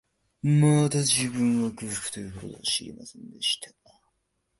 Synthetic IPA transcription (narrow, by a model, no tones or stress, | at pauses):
mat̪aʑibɯ̟̃ŋ̃βakɯ̟̥kɯ̥t̪ojɯkot̪o̰d̪oa̰ɕiɾʲḭma̰sẽ̞nd̪e̞ɕi̥t̪ʰa